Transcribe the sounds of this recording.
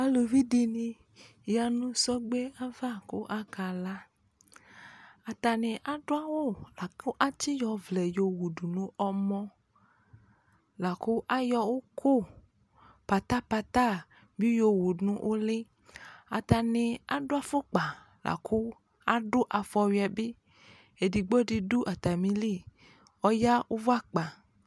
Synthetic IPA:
a˦lo˨vi˦ɖi˨nĩ˨ | ja˨nũ˦sɔ˦ɡ͡be˦a˦va˦ko˦ʔa˦ka˨la˦ | a˨t̪a˨nẽ˨ʔa˨ɖo˦a˦wo˦la˨ko˦ʔa˦t͡ʃi˦jɔ˨vlɛ˨jo˨wu˨ɖu˨nũ˦ɔ˦mɔ̃˦ | la˨ko˦ʔa˦jɔ˦wo˦kʰo˦˨ | pa˨t̪a˦pa˧t̪a˦ | bi˦jo˨wu˨nũ˦ʔo˦le˦ | a˨t̪a˨ne˨a˨ɖo˦a˦fo˦k͡pa˨ | lʔa̰˨kʰu˦ | a˦ɖʊ˦ʔa˨fɔ˨wi˨˦a˨be˦ | e˨di˨ɡ͡bo˦di˨du˦ʔa˨t̪a˨mĩ˦li˦˨ | ɔ˦ja˦wo˦vo˦a˦k͡pa˨

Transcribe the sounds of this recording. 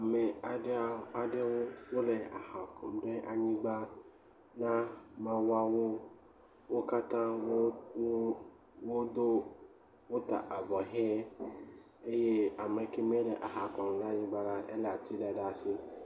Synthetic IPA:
a˨me˨a˨ɖa˨ɖe˦wo˦wo˦le˨a˨a˨kɔ˨m˨ɖe˦ʔa˨ɲĩ˦ɡ͡ba˦ | nã˦mã˨wa˦wo˦ | wo˦ka˦t̪ã˦w | wo˦d̪o˦ | wo˦t̪a̰˨ʔa˨vɔ˨ɦɛ̃˦ | e˦je˦a˨me˨ke˦m˦e˦le˨ʔa˨ɦa˨kɔ˨m˨ɖe˦a˨ɲĩ˦ɡ͡ba˦la˦e˦le˨a˨t̪i˦ɖa˨ɖa˨si˦

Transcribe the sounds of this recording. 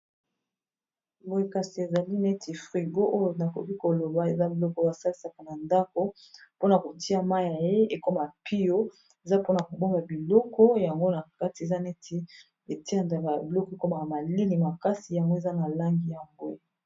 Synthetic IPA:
mbo˨i˦ka˨si˨e˨za˨li˦ne˦tʰi˨fʁi˨ɡo˦ʔo˦jo˨na˨ko˨ki˦ko˨lo˨ba˨˦e˨za˦bi˨lɔ˦kɔ˦a˨sa˦li˨sa˨ka˨na˨nda˦ko˦ | po˦na˨ko˨ti˦a˦ma˦ja˨je˦e˨ko˦ma˨pi˦jo˦ | e˨za˦po˦na˨ko˨bo˦ma˨bi˨lɔ˦kɔ˦ja˨ŋɡo˦na˨ka˦ti˨e˨za˦ne˦tʰi˨ | e˨ti˦a˦˨nda˨ka˨bi˨lɔ˦kɔ˨e˨ko˦ma˨ka˨ma˨li˦li˨ma˨ka˦si˨ja˨ŋɡo˦e˨za˦na˨la˦ŋɡi˨ja˨ŋɡo˦˨

